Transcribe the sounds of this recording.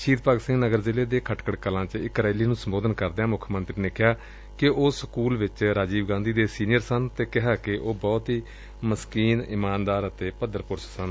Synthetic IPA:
ʃiːd̪pəɡsɪ̃ŋɡnəɡəɾzɪleːd̪eːkʰəʈkəɽkəlãːt͡ʃɪkɾaːliːnũːsəmboːd̪ənkəɾd̪ãːmʊkʰmə̃nt̪ɾiːnekʰjaː | kɪʔoːsəkuːlʋɪt͡ʃɾaːd͡ʒiːbɡãːnd̪iːd̪eːsiːnɪjəɾsənt̪eːkɪɦaːkɪʔoːbɔːt̪ɦiː | məskiːnɪmaːnd̪aːɾət̪eːpəd̪əɾpʊɾssən

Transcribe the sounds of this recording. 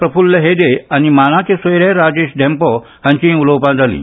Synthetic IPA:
pɾəpʰulːəɦed̪eanimanat͡ɕesojɾeɾad͡ʑeɕɖʱɛ̃mpɔ | hãɲt͡ɕĩulowpãd͡z̪ʱalḭ̃

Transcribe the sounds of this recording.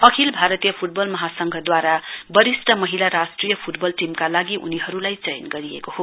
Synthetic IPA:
ʌkʰilbʱaɾʌt̪ijʌpʰuʈ̚bʌlmʌɦasʌŋɡʱʌd̪waɾabʌɾisʈʌmʌɦilaɾasʈrijʌpʰuʈbʌlʈimkalaɡiʔṵniɦʌɾulajt͡sʌjnɡʌɾiḛkoho

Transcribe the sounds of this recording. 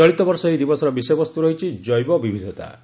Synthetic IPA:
ɔɭit̪ɔbɔɾsɔid̪ibɔsɔɾɔbisɔjbɔst̪uɾɔɦit͡ʃʰid͡ʒɔjbɔbibʱid̪ʱɔt̪a̰

